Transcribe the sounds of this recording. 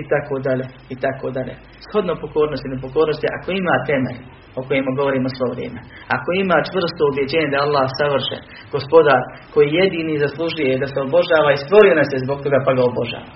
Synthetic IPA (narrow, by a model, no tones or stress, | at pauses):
it̪akoːd̪aʎe | it̪akoːd̪aʎḛ | sho̞d̪nopo̞ko̞ːɾnost̪inep̬o̞koːɾnost̪jeʔa̰ko̞imaːt̪e̞mḛʎ | oko̞jemoɡo̞ʋo̞ɾiːmosʋo̞ʋɾjḛːme̞ | ako̞imaːt͡ʃʋr̩st̪oubje̞d͡ʑeːɲed̪aalˠːaːhsaʋr̩ʃḛ | ɡ̥ospo̞d̪aːɾ | ko̞jiːjed̪iːniːzaslˠuʒujed̪aseobo̞ʒaːʋaist̪ʋo̞ɾijonasjezbok̚t̪o̞ɡaːpaɡaobo̞ʒa̰ːʋa